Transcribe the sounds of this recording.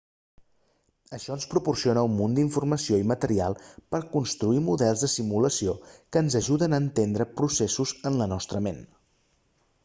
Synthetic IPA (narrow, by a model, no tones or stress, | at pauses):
əʃɔənspɾupursionəumːund̪iɱfurməsioimət̪əɾialˠpəɾkunst̪ɾuimuðɛlˠzðəsimuləsiokəːnzəʒuðənəːnt̪end̪ɾəpɾusesuzənlənɔst̪ɾəmen